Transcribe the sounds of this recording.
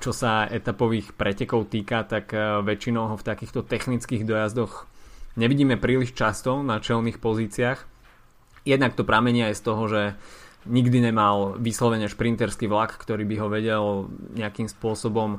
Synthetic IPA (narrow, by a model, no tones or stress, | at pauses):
t͡ʃɔsaɛt̪apɔʋiːxpɾɛcɛkɔʊt̪iːkat̪akʋɛt͡ʃinɔʊɦɔft̪akiːxt̪ɔt̪ɛxnit͡skiːɣd̪ɔjazd̪ɔxɲɛʋiɟiːmɛpɾiːliʃt͡ʃast̪ɔnat͡ʃɛlnixpɔziːt͡sɪax | jɛd̪nakt̪ɔpɾamɛɲɪajɛst̪ɔɦɔʒɛɲiɡd̪iɲɛmalʋiːslɔʋɛɲɛʃpɾint̪ɛɾskiʋlakːt̪ɔɾiːbiɦɔʋɛɟɛlɲɛakimspʊɔsɔbɔm